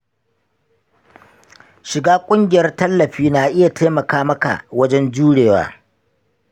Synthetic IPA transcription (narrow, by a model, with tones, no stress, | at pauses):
ʃɪ˨ɡaː˦kʷʼʊ˦ŋɡʲɪ˨jɐ˦rtɐ˦lːɐ˨ɸiː˦naː˨ʔɪ˦ja˨tʰeː˦mɐ˨kaː˦mɐ˦ka̰˨ʔwɐ˦d͡ʒɛ˦nd͡ʒuː˦ɽeː˨wa̰ː˦